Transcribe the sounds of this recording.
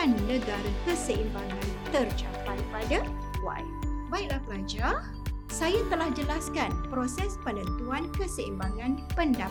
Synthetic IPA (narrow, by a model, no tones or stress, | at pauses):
anːə̃ɡaɾakəsəimbaŋãnt̪ərt͡ʃapajpada | wa̰ibaik̚lahpəlad͡ʒah | sajat̪əlahd͡ʒəlaskanpɾosɛspələnt̪uankəsəimbaŋãnpənda